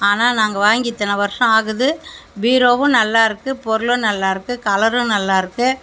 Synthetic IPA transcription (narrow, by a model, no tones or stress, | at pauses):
aːnaːnaːŋɡɐʋaːŋɡɪt̪ːɐnɐʋɐɾɯʂɐ̃aːɣɯðɯʋiːɾoːʋɯ̃nɐlːaːɪɾɯkːɯpɔɾɯlɯ̃nɐlːaːɪɾɯkːɯkɐlɐɾɯ̃nɐlːaːɪɾɯkːɯ